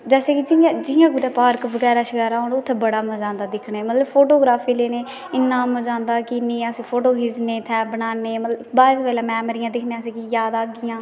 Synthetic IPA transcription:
d͡ʒɛːseːkɪd͡ʒɪjãːd͡ʒɪjãːɡʊd̪ɛːpaːɾkʋəɡɛːɾaːʃəkɛːɾaɦoːnʊt̪ʰːeːbəɽaːmə̃d͡ʒãːnd̪aːd̪ɪkʰɳeːmət̪ləbpʰoːʈoːɡɾaːpʰiːleːneː | ɪnːãːmə̃d͡ʒãːnd̪aːkɪnĩːəsĩːpʰoːʈoːɦɪzneːt̪ʰɛːbənaːneːmət̪ləbaːɪspɛːlaːmɛːməɾɪjãːd̪ɪkʰneaːsiːkijaːd̪aːɡɪjãː

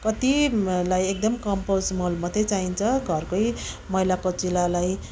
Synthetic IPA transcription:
kʌt̪ilajek̚d̪ʌmkʌmposmolmʌd̪ʱet͡saɦint͡sʰʌɡʱʌrkoj | mʌilakot͡silalaj

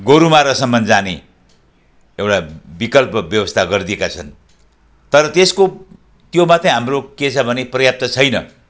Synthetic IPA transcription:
ɡoɾumaɾʌsʌmbʌnd͡zane | ewʈabikʌlpʌbjʌbʌst̪ʰaɡʌrd̪iekat͡sʰʌn | t̪ʌɾʌt̪esko | t̪jomat̪ʰʌ̃jɦamroket͡sʰʌbʱʌneprʌjap̚t̪ʌt͡sʰʌjnʌ̰

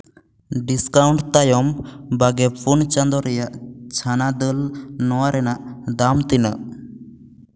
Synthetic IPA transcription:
ɖiskawɳʈt̪ajɔmbaɡɛpʰunt͡ʃand̪ɔɾɛjaʔt͡ʃʰanad̪əlnɔwaɾɛnaʔd̪amt̪inaʔ

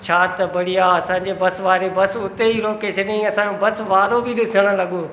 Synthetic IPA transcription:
t͡ɕʰaːt̪ɐbɐɽijaːɐsãːɲ̆d͡ʑebɐsʋaːɾebɐsʊt̪eɦiɾoːkeːʃʰənĩɐsãːobɐsʋaːɾobɪɗɪsəɽ̃ə̆lɐɠoː

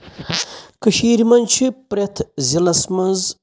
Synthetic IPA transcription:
kəʃiːɾimɐnt͡ʃʰipɾet̪ʰzilɐsmɐnz

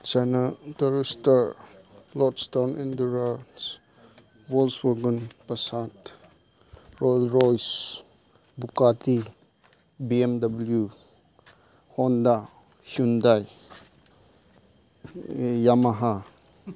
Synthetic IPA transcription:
t͡ʃanatəɾstaɾlɔtstawnʔindəɾas | wɔlswɔɡənpɐsat | ɾɔjlɾɔjs | bukati | biemdɐbulju | hɔnda | hjundaj | jamaɦa

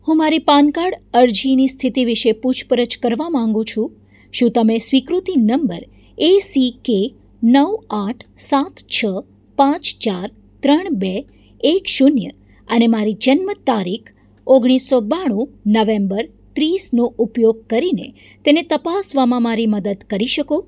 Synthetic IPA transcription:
hũmaɾipankaɽəɾd͡ʒinist̪ʰit̪iʋiʃeput͡ʃʰpəɾət͡ʃkəɾʋamãŋɡũt͡ʃʰũ | ʃũt̪əmẽsʋikɾut̪inəmbə̰ɾ | esike | nəʋaʈʰsat̪t͡ʃʰə | pãt͡ʃt͡ʃaɾ | t̪ɾəɳ̃be | ekʃunjə̰ | ənemaɾid͡ʒənmət̪aɾikʰ | oɡɽ̃isːobaɽ̃ũnəʋembəɾ | t̪ɾisnoʔupjoɡ̚kəɾinḛ | t̪enet̪əpasʋamãmaɾiməd̪əd̪kəɾiʃəko

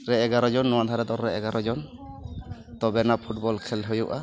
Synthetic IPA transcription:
ɾɛɛɡaɾɔd͡ʒɔnːɔwad̪ʱaɾɛd̪ɔɾɾɛɛɡaɾɔd͡ʒɔn | t̪ɔbɛnapʰuʈ̚bɔlkʰɛlɦɔjuʔa

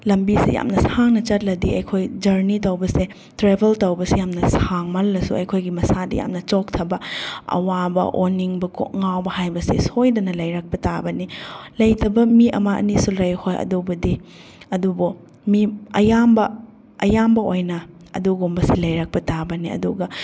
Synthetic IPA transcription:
lɐmbisḭja̰mnɐsaŋnɐt͡ʃɐt̚lɐdiɐjkʰojd͡ʒɐɾnitɐwbɐse | tɾebʱɐltɐwbɐsijamnɐsaŋmɐlːɐsṵɐ̰jkʰojɡimɐsadḭja̰mnɐt͡ʃok̚tʰɐbɐɐ̰wabɐ̰ʔoniŋbɐko̰ŋawbɐhajbɐsesojdɐnɐlɐjɾɐk̚pɐtabɐnilɐjtɐbɐmiʔɐ̰mɐʔɐ̰nisulɐjhojɐ̰dubɐdi | ɐdubo | miɐjambɐ | ɐjambɐojnɐ | ɐ̰duɡombɐsilɐjɾak̚pɐtabɐniɐ̰duɡɐ

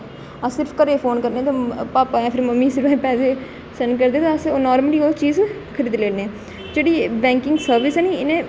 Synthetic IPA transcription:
əsɪɾpʰkəɾeːpʰoːnkəɾnẽːt̪ãpaːpaːjãːpʰɪɾməmːiːsɪɾpɛpɛːseː | sənk̬əɾd̪eːt̪ãːəsoːnɔːɾməliːoːt͡ʃiːz | kʰəɾiːd̪leːɽneː | d͡ʒeːɽiːbɛ̃ːŋkɪŋɡsəɾʋɪsɛːniːɪnẽː

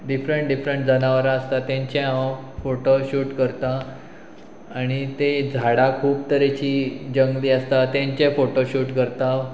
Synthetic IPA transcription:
ɖifɾəɳʈ̚ɖifɾəɳʈd͡zənaʋəɾaːst̪at̪jãɲt͡ɕaãfoʈoɕuːʈkəɾt̪a | ɽ̃it̪ed͡zʱaɽakʰuːbt̪əɾet͡ɕiːd͡ʑəŋɡliːəst̪at̪jãɲt͡ɕefoʈoɕuːʈkəɾt̪a

